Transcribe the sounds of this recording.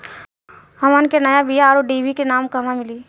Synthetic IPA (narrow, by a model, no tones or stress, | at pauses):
ɦɐmankenɐjabijaːɾoɖiːbikenaːmkɐmamɪliː